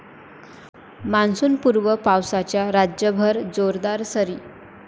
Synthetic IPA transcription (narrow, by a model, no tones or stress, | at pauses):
mansuːnpuɾʋəpawsat͡ɕjaɾad͡ʑjəbʱəɾd͡zoɾd̪aɾsəɾiː